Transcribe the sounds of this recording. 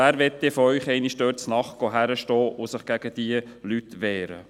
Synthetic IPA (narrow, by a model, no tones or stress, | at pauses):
æːɾʋɛt̪ːɪfɔœʏχɛɪniʃdøːtsnɑχɡ̥oɦæɾəʃtɔːʔʊsəχɡ̥æɡ̥əd̥̪iəlyt̪ʋɛːɾə̰